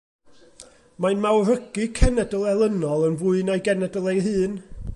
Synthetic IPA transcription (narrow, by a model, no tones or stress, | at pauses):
maɨnmawrəɡɨkʰɛnɛdəlˠɛlˠənɔlˠənvuɨnajɡɛnɛdəlˠɛjɦɨːn